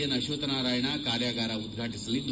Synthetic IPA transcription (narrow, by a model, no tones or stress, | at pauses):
ɐnɐɕut̪naɾajɳakaɾjaɡaɾaud̪ɡʱaʈislid̪